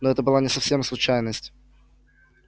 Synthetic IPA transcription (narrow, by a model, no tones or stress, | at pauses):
noɛt̪əbɨlˠanʲɪsɐfsʲe̞mslˠʊt͡ɕæjnəsʲtʲ